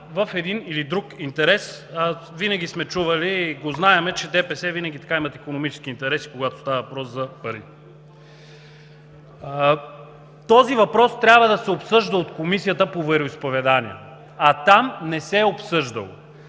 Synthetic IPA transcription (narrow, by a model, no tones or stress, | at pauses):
vəfɛd̪inilid̪ɾukint̪ɛɾɛsvinɐɡ̟ʲismɛt͡ʃuvɐliɡoznaɛmɛt͡ʃɛd̪ɛpɛsɛvinɐɡʲit̪ɐ̥kaimɐt̪ikonomit͡ʃɛ̥sk̟iːnt̪ɛɾɛsi̥koɡat̪o̥st̪aəvɐpɾɔszɐpɐɾi | t̪ɔzivɐpɾɔst̪ɾʲabvəd̪ɐsɛopsɤʒd̪əot̪komisijət̪əpovɛɾoispovɛd̪anḭə̰ | ɐt̪amnɛsɛopsɤʒd̪ə̰lˠ